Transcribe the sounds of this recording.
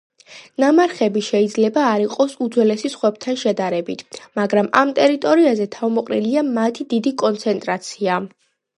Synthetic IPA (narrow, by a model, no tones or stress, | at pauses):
namaɾχɛbiʃɛid̪zlɛbaːɾiqʼɔsud̪zwɛlɛsisχwɛb̚t̪ʰanʃɛd̪aɾɛbit̪ʰmaɡɾama̰mt̪ʼɛɾit̪ʼɔɾiazɛt̪ʰavmɔqʼɾḭliamat̪ʰid̪id̪ikʼɔnt̪sʰɛnt̪ʼɾat̪sʰia